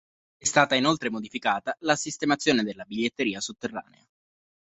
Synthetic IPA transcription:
ɛst̪aːt̪ainolt̪ɾemod̪ifikaːt̪alasist̪emat̪sːjoːned̪elːabiʎːet̪ːeɾiːasot̪ːerːa̰ːnḛa

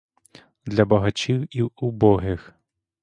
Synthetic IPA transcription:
d̪lʲɐbɐɦɐt͡ʃiwiwubɔɦɪx

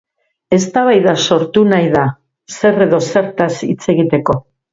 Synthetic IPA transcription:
e̞st̪aβ̞ajðaso̞ɾt̪unajða | se̞re̞ðo̞se̞ɾt̪asit͡se̞ɣit̪e̞ko̞

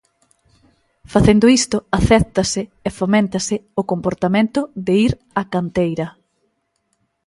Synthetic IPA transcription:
faθend̪ʊist̪ʊaθɛɾt̪ɐsɪːfomẽnt̪ɐsɪʊkompoɾt̪amẽnt̪ʊðɪiɾ | akant̪ejɾɐ

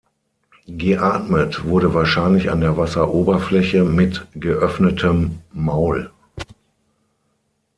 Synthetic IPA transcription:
ɡəʔaːtmətv̥ʊɐɾəvaːɐʃaɪnlɪça̰ndeːɐvasɐʔoːbɐflɛçəmɪtɡ̥əʔœfnətʰəmːaʊl

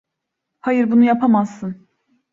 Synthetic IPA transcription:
hajɯɾbunujapʰamazːɯn

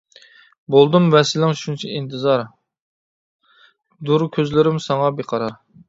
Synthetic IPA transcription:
bolˠd̪ɨmvɛsɪlɪŋʃunt͡ʃʰɛint̪ʰɨzɑɾ | d̪uɾkʲʰøzlɪɾɪmsɑŋɑbeqʰɑɾɑɾ

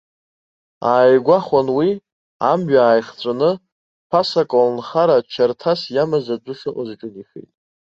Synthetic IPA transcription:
aːjɡʷaχʷanwi | a̰mɥaːjχt͡sʷʼanɨ | pʰasakʼolnχaɾat͡ʃʰartʰasjamazad͡ʒʷʊʂɨqʼazʈ͡ʂʼɨniχḛjtʼ

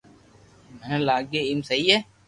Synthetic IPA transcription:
mɛnlaːɡeɪmsɐɦiɦɛː

